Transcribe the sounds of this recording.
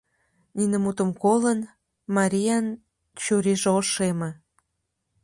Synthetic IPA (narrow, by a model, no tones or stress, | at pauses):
ninə̆mut̪ə̆mkolən | mɑɾʲijɑn | t͡ɕuɾiʒoʃeme